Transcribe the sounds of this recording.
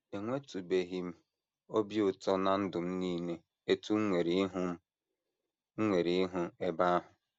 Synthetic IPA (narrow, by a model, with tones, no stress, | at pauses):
e˨ŋʷe˦tu˨be˨ɦi˦m̩˦ | o˦bjʊ˨tɔ˦na˨n̩˦dʊ˨m̩˦niː˦ne˦ | e˦tu˦ŋ̩˦ŋʷe˨ɾi˦ɦʊ˦m̩˦ | ŋ̩˦ŋʷe˨ɾi˨˦ɦʊ˦e˦ba˦a˦ɦʊ˨